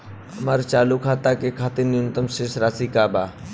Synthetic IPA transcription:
əmaɾt͡ʃaːlukʰaːt̪akekʰaːt̪ɪɾnɪʊnt̪əmʃesɾaːsikaːba

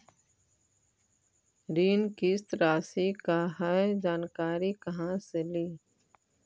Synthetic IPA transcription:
ɾiːnkist̪ɾaːsikaɦaed͡ʒaːnkaːɾikɐɦãseliː

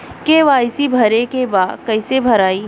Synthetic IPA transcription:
keʋaːɪsibʱɐɾekebaːd̪kɐɪsebʱɐɾaːi

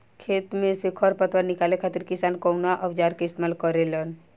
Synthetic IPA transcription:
kʰeːt̪mẽsɪkʰɔɾpət̪ʋəɾnɪkaːlekʰat̪iɾkɪsaːnkɔnaʔəʋd͡ʒaːɾkeɪst̪emalkəɾelən

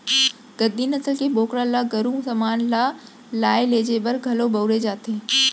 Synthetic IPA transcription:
ɡ̥əd̪inɐsəlkeboːkɾãlaɡɐɾũsɐmaːnla | laːeleːd͡ʑebɐɾɡʱɐlobɐwɾed͡ʑaːt̪ʰeː

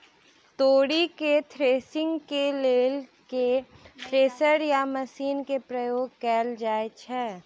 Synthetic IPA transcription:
t̪oːɽiket̪ʰɾeːsɪ̃ŋɡkeleːl | ketʰɾeːsəɾjamɐsiːnkepɾɐjoːɡ̚kɛːld͡ʒaːet͡ʃʰɛː

